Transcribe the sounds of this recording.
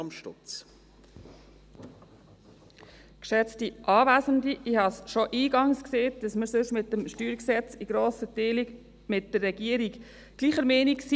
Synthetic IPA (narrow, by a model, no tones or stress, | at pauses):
mʃtʊ̰t͡s | kʃɛt͡stiʔɑːvæzəndiʔihɑsʃoʔiːɡɑŋskseːt̚d̥ɑsməɾsʏʃmɪt̚dəmʃtyːɾksɛt͡siɡ̥ɾoːsəteːli | mɪt̚d̥əɾːɛɡ̥iəɾik | ɡ̥liːχəɾmɛːniks